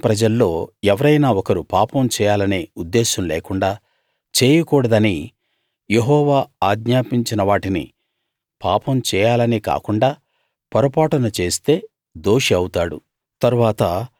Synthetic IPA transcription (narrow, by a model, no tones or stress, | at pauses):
pɾɐd͡ʒɐlːo̞ːɛʋɐɾɐjnaːɔkɐɾupaːpɐmt͡ʃɛːjaːlɐne̞ːud̪ːeːʃɐmleːkuɳɖaː | t͡ʃeːjɐkuːɽɐd̪ɐni | je̞ɦɔːʋaːaːɡɲaːpiɲt͡ʃinɐʋaːʈinḭ | paːpɐmt͡ʃɛːjaːlɐnika̰ːkuɳɖaː | pɐɾɐpaːʈɐnɐt͡ʃe̞ːst̪e̞ː | d̪o̞ːʂiɐwut̪aːɽṵ | t̪ɐɾuʋaːt̪ɐ